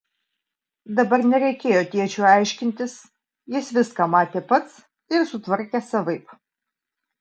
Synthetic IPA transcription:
d̪ɐbɐɾnʲɛɾʲɛɪkʲeːjoːt̪ʲiɛt͡ʃʲuːɑˑɪʃʲkʲɪnʲt̪ʲɪs | jɪsʋʲɪskamɑːt̪ʲeːpɐt̪s | ɪɾsʊt̪ʋɐɾʲkʲɛsɐʋɐɪp

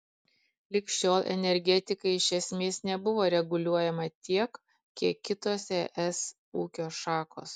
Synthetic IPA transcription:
lʲɪkʃʲt͡ʃʲoːlˠʔɛ̰nʲɛɾʲɡʲɛt̪ʲɪkɐɪɪʃʲɛsʲmʲeːsnʲɛbʊʋoːɾʲɛɡʊlʲuɔjɛmɐt̪ʲiɛk | kʲiɛkʲːɪt̪oːsɛʔɛs | uːkʲoːʃɑːko̰ːs

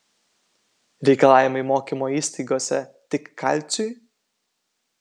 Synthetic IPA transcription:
ɾʲɛjkɐlˠaːjimoimoːkʲimɔisʲt̪ʲiɡoːsʲɛ̰t̪ʲɪkːʰa̰lʲt̪sʲuj

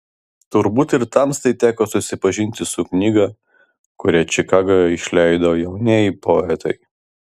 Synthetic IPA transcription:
t̪ʊɾbuːt̪ɪɾt̪ɑmst̪ɐɪt̪ʲæːkoːsʊsʲɪpɐʒʲɪnʲt̪ʲɪsʊknʲiːɡɐ | kʊɾʲɛt͡ʃʲɪkɑːɡɐɪʃʲlʲæˑɪd̪ɐjɛʊnʲeːipoːɛt̪ʰɐɪ

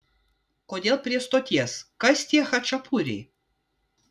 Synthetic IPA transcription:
kod̪ʲelˠpʲɾʲiɛst̪ot̪ʲɛskɐsʲt̪ʲiɛxɐt͡ʃɐpʰuɾʲḭ

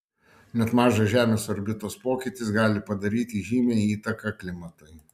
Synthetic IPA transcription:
nʲɛt̪mɑːʒɐʒʲæːmʲeːsɔɾʲbʲɪt̪oːspoːkʲɪt̪ʲɪsɡɑːlʲɪpɐd̪ɐɾʲiːt̪ʲiːʒʲiːmʲeːiːt̪ɐkɐklʲɪmɐt̪ɐɪ

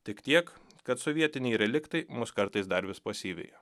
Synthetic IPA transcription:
t̪ʲɪkt̪ʲiɛkkɐt̪sɔʋʲiɛt̪ʲɪnʲɛjɾʲɛlʲɪkt̪ɐɪmʊskɐɾt̪ɐɪsd̪ɐɾʋʲɪspɐsʲiːʋʲɛ̰ɪjo

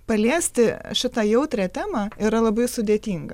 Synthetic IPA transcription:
pɐlʲiɛsʲt̪ʲɪʃʲɪt̪ɐjɛʊt̪ʲɾʲɛt̪ʲæːmɑːɪɾɐlˠɐbɐɪsʊd̪ʲeːt̪ʲiːŋɡɐ

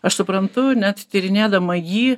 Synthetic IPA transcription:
ɐʃsʊpɾɐnt̪ʊnʲɛt̪t̪ʲɪɾʲɪnʲeːd̪ɐmɐjiː

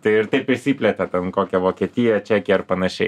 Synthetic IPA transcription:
t̪ɐɪɪɾt̪ɐɪpɪsʲiːpʲlʲɛt̪ʲɛt̪ʲɛnkoːkʲɛʋoːkʲɛt̪ʲijɛt͡ʃʲæːkʲɛɐrpɐnɐʃʲɛɪ

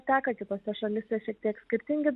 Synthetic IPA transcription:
t̪ʲæːkɐkʲɪt̪oːsʲɛʃɐmʲɪsʲɛʃʲiɛk̚t̪ʲiɛksʲkʲɪɾʲt̪ʲɪŋʲɡʲɪd̪

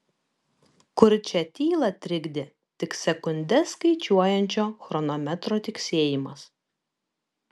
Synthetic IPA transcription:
kʊɾt͡ʃʲɛt̪ʲiːlˠɐt̪ʲɾʲɪɡd̪ʲɪ | t̪ʲɪksʲɛkʊnʲd̪ʲɛskɐɪt͡ʃʲuɔjɛnʲt͡ʃʲoːxɾɔnɔmʲɛt̪ɾoːt̪ʲɪksʲeːjɪmɐs

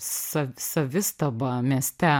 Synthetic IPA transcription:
sɐsɐʋʲɪst̪ɐbɐmʲiɛsʲt̪ʲɛ

